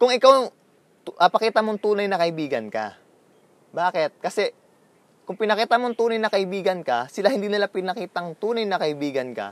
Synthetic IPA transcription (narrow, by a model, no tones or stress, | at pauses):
kʊŋɪkaw̪ | ʔɐpɐkiːt̪ɐmoŋt̪uːnɐjnɐkɐʔɪbiːɡɐnkɐ̰ | baːkɛt̪̚kɐsɛ | kʊŋpɪnɐkiːt̪ɐmoŋt̪uːnɐjnɐkɐʔɪbiːɡɐnkɐsɪlahɪnd̪iːnɪlapɪnɐkiːt̪ɐŋt̪uːnɐjnɐkɐʔɪbiːɡɐnkɐ̰